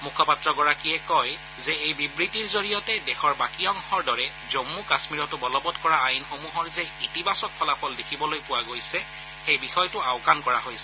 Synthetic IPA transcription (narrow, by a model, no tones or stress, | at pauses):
mukʰɔpatɹɔɡɔɹakiɛkɔj | zɛejbibɹitiɹzoɹijɔtɛdɛxɔɹbakiɔŋxɔɹdɔɹɛ | zomːukasmiɹɔtʊbɔlɔbɔtkɔɹaːjnxomuɦɔɹzɛitibasɔk̚pʰɔlapʰɔldekʰibɔlojpʊwaɡojsɛ | xejbixɔjtʊaʊkankɔɹaɦojsɛ̥